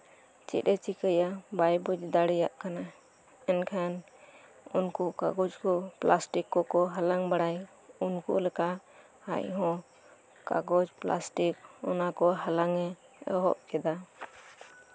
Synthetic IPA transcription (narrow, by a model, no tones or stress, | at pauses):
t͡ʃḭɗɛt͡ʃikəjabajbud͡ʒd̪aɽɛjaʔkana | ɛnkʰan | unkɔka̰ɡɔd͡ʒkɔplasʈikːɔkɔɦalaŋbaɽaj | unkṵlɛkaʔ | ha̰jɦɔ̃ | ka̰ɡɔd͡ʒpla̰sʈikɔnakɔɦalaŋɛ | ɔ̰ɦɔ̰ʔ̚kɛd̪a